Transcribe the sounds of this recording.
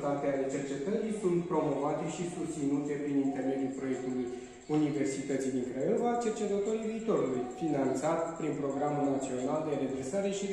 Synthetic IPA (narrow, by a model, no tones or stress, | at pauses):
d̪at̪eale̞t͡ʃe̞rt͡ʃe̞t̪əɾisunt̪pɾo̞mo̞vat̪e̞ʃisust̪sinut̪e̞pɾinint̪e̞rme̞d̪ijulpɾo̞je̞k̚t̪uluj | unive̞rsit̪ət̪sijd̪iŋkɾeovat͡ʃe̞rt͡ʃe̞t̪ət̪o̞ɾiviːt̪o̞ɾulujfinant̪sat̪pɾinpɾo̞ɡɾamulnat̪sio̞nald̪e̞ɾe̞vesaɾe̞ʃi